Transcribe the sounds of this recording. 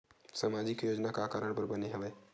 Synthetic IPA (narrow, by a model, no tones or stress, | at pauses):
samaːd͡ʒɪkjoːd͡ʒnakaːkaːɾəɽ̃pɐɾbɐneɦɐʋeː